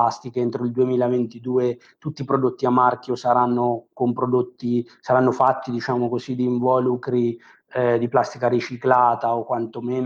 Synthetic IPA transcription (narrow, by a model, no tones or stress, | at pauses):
ast̪ikeent̪ɾoild̪uemiːlavent̪id̪uːe | t̪ut̪ːipɾod̪ot̪ːiamːark̟josaɾanːokompɾod̪ot̪ːi | saɾanːofat̪ːid̪it͡ʃaːmokozid̪iːɱvɔːlukɾi | d̪iplast̪ikaɾit͡ʃiklaːt̪aokːwant̪omeːn